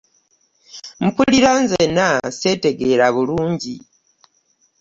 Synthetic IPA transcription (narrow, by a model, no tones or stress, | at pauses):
m̩puliɾanzenase̞te̞ɡe̞ːɾaβuluːɲɟi